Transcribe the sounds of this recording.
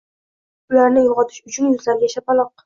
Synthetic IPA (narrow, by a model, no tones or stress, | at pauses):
ʊlaɾnɪjɒʁɒt̪ʰɪ̥ʃʊt͡ʃʰʊnjʊzlaɾɡʲaʃapalˠɒq̚